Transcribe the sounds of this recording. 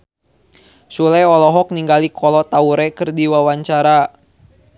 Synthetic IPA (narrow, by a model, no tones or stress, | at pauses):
sulɛɔlɔɦɔk̚niŋɡalikʰɔlɔt̪auɾɛkɨrdiwawaɲt͡ʃaɾa